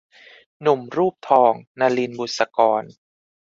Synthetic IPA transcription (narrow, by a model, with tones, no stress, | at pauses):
nu˨˩mɾuː˥˩p̚t̪ʰɔː˧ŋnaː˧li˧nbu˨˩t̪̚sa˧kɔː˧n